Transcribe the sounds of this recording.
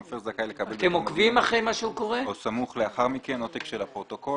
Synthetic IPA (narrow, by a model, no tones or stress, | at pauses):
ofeʁzakajlekabelt̪emokvimaχʁejmaʃeuko̞ʁeosamuχleaχaʁmikenot̪ekʃelapʁot̪oko